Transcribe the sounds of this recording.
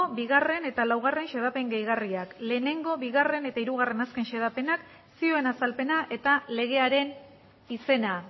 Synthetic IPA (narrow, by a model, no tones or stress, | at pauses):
obiɣ̞are̞ne̞t̪alawɣarenʃe̞ð̞ape̞ŋɡejɣariakle̞ːne̞ŋɡo̞βiɣ̞are̞ne̞t̪aiɾuɣ̞are̞naske̞nʃe̞ðape̞nak | sio̞e̞nasalpe̞naʔe̞t̪ale̞ɣ̞e̞aɾe̞n | ise̞na